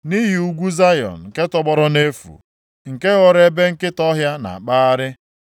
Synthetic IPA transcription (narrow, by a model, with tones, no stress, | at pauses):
ni˦ɦi˨u˦ɡʷu˦za˦jɔ̰˨n̩˨ke˦tɔ˦ɡ͡bɔ˦ɾɔ˦ne˦fṵ˨ | ŋ̩˨ke˦ɣɔ˦ɾe˦be˦ŋ̩˦kɪ˦tɔ˦ɦja˦na̰˨a˨k͡pa˦a˦ɾɪ˦